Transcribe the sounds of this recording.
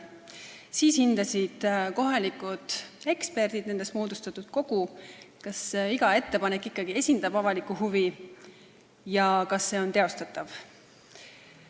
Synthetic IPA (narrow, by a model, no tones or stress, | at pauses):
siːshind̪̥ɑsid̪̥ko̞ɦɑlikːˑud̪̥e̞kspe̞rd̪̥id̪ne̞nd̪e̞st̪mo̞ːd̪ust̪ɑt̪ːˑud̪̥ko̞ɡ̥ukɑsiɡ̥ɑe̞t̪ːe̞pɑnekːˑikˑːɑɡ̥ie̞sʲind̪̥ɑbɑvɑlikːˑuhuvi | jɑkɑsːe̞ːo̞nt̪eo̞st̪ɑt̪ːˑɑv